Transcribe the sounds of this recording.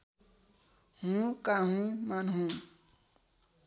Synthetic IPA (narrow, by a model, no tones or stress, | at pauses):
hũkaɦũmanɦũ